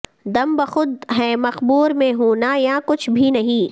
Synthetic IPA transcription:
d̪ɐmbɐxʊd̪̚ɦɛ̃ːmɐxbuːɾmẽɦoːnajãkʊt͡ʃʰbʱinɐɦĩː

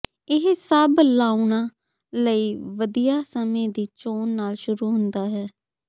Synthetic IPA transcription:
ɪɦsəblaːunãː | ləiːʋəd̪ijaːsəmẽːd̪iːt͡ʃoːnːaːlʃʊɾuːɦʊnd̪aːɦɛː

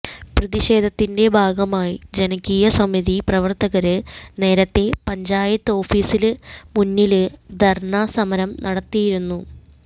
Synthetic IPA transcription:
prɨðiɕe̞ːd̪ʱɐt̪ːinde̞bʱaːɡɐmaːjid͡ʑenɐkːijɐsɐmiðiprɐʋɐrt̪ɐɣɐɾɨne̞ːɾɐt̪ːe̞pɐɲd͡ʑaːjɐt̪ːɨo̞ːfiːsilmunːilɨd̪ʱɐrɳaːsɐmɐɾɐmnʔɐɽɐt̪ːijiɾunːu

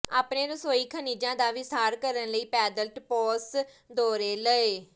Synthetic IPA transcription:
aːpneːɾəsoːiːkʰəniːd͡ʒãːd̪aːʋisaːɾkəɾənləiːpɛːd̪əlʈpɔːs | d̪oːɾeːləeː

